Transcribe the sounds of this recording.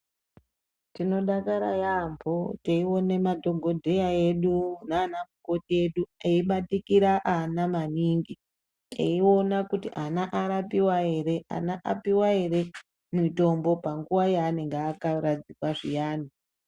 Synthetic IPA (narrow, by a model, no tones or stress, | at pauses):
tino̞ɗakaɾa̰jambʱo̞teiwo̞ne̞madʱo̞ɡʱo̞dʱe̞jae̞ɗunaːnamuko̞tie̞ɗueiɓatikiɾaʔanamaniŋɡi | eio̞nakutiʔanaʔaɾapiwaɦe̞ɾe̞ʔa̰naʔa̰piwaɦe̞ɾe̞ | mito̞mbo̞paŋɡuwajaːneŋɡaːkaɾad͡zikwaʐijaːni